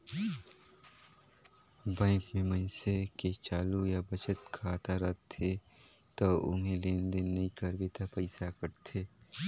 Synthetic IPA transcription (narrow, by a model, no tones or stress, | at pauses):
bɛ̃ːŋkmẽmɐɪ̃seket͡ʃaːlujabət͡ʃət̪kʰaːt̪ʰaɾət̪ʰːe | t̪oːʊ̰nɦẽleːnd̪enɐikəɾbet̪ʰapəɪsakəɾt̪ʰeː